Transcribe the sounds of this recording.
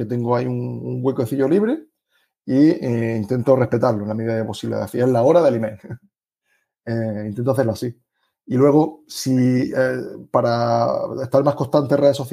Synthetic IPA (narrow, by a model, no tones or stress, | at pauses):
et̪e̞ŋɡoaiuŋuŋɡwekoθiʝoliβɾe | iint̪ent̪o̞re̞hpe̞t̪aɾloenlameðiðaðeposiβlḛða̰θielao̞ɾaðelimḛl | eint̪ent̪oaθe̞ɾlasi | ilwe̞ɣ̞o̞siepaɾaeht̪aɾmahko̞st̪ant̪enreðeso̞θ